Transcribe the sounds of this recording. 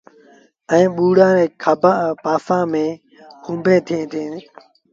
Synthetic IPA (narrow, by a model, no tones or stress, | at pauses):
ɛ̃ːɓuːɽãːɾeːkʰabʱãːpaːfãːmẽː | kũːmbʱẽːt̪ʰẽːt̪ʰẽː